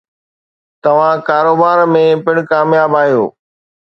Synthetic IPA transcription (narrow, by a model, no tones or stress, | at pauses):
t̪ɐʋ̤ãkaːɾoːbaːɾmẽpɪɽ̃kaːmjaːbaːɦijoː